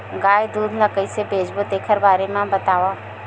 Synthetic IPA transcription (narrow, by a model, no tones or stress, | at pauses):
ɡaːjd̪uːd̪ʱləkəisebʱeːd͡ʒbod̪eːkʰəɾbaːɾemẽbɐt̪aːʋa